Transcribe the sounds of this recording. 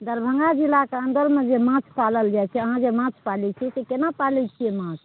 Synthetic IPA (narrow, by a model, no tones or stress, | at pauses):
d̪əɾbʱə̃ŋɡad͡ʒilːakeənd̪əɾmed͡ʒemãt͡ʃʰpaləld͡ʒajt͡ʃʰɛəɦãd͡ʒemãt͡ʃʰpalɛt͡ʃʰɛsekenapalɛt͡ʃʰiemãt͡ʃʰ